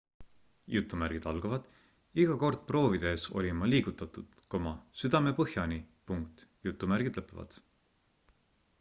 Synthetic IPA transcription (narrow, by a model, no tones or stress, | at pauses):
jut̪ːˑumæɾɡ̥id̪̥ɑlɡ̥ɑvɑd̪̥ | iɡ̥ɑko̞rd̪̥̚pro̞ːvid̪̥e̞ːso̞̰lʲimɑliːɡ̥ut̪ːˑɑt̪ˑud̪̥komɑsyd̪̥ɑme̞pɤhjɑnipuŋkt̪jut̪ːˑumærɡ̥id̪̥lɤpːˑevɑ̰d̪̥